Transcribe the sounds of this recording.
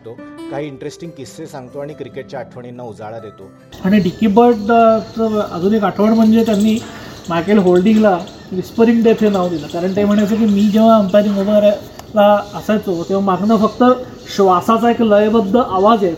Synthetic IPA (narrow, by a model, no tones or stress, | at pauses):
t̪okaɦiːɳʈɾesʈiŋɡ̚kisːesãŋɡt̪oaɽ̃ikɾikeʈ̚t͡ɕjaːʈʰʋəɳ̃inːaud͡za̰ɭad̪et̪o | aɽ̃iɖikibəɾʈd̪at͡səɾə̰d͡zuːnekaʈʰʋəɳm̤əɳd͡zet̪janːiːmaɾkelɦolɖiŋɡla | ʋispəɾiŋɡɖ̪et̪ʰenaʋd̪ilakaɾəɳʈ̪ɦem̤əɽ̃ajt͡səkimiːd͡ʑeʋaəmt̪aɾiŋoɽaɾa | laəsajt͡sot̪ẽʋ̤amaɡnafəkt̪ə | ɕʋasat͡saekləjbəd̪ʱːəʔaʋad͡zje